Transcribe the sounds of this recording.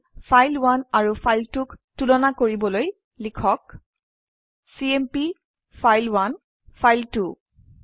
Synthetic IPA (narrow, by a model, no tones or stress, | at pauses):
fʰajlwanaɹufʰajltuktulɔnakoɹibɔloj | likʰɔk | siempi | fʰajlwan | fʰajltu